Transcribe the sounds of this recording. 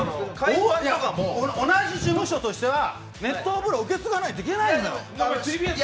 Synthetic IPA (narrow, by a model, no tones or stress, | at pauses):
ojaoonaʑiɕɨːbɯ̟̃ɰ̃ɕo̞t̪o̞ɕi̥t̪e̞βa | ne̞t̪ːoːbɯ̟ɾoɯ̟ke̞t͡sɨɡanait̪oikʲe̞naĩoo